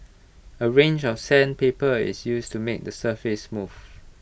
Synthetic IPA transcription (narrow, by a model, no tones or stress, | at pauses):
əɹẽnd͡ʒɔfsɛ̃npepəɪ̰sjustumek̚dəsəfɪsmuv